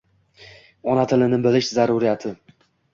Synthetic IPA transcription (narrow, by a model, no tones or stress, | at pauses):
ɒnat̪ʰɪlɪnɪbɪlɪʃzaɾʊɾijat̪ʰɪ